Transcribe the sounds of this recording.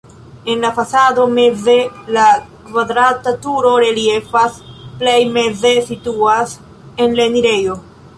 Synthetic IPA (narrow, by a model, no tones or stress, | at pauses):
e̞nlafasado̞me̞ze̞lakvadɾatatuɾo̞ɾe̞lie̞fasplejme̞ze̞situas | e̞nleniɾe̞jo̞